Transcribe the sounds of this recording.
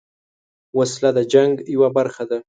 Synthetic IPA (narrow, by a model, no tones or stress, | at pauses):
waslad̪əd͡ʒaŋɡjwabaɾxad̪a